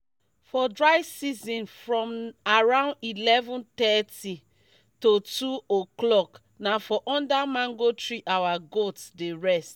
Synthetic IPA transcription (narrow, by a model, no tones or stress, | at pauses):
fɔdɹaɪsizɔ̃nfɹɔ̃maɹãʊ̃ndilɛvɔ̃ntɛti | totuoklɔk | nafɔʔɔ̃ndamãŋɡotɹiʔawaɡotdeɹɛst